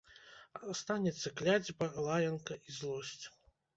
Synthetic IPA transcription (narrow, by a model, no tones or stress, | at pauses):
st̪anʲɛt̪sːɐklʲad͡zʲbɐlˠajɐnkɐʔizlˠɔsʲt͡sʲ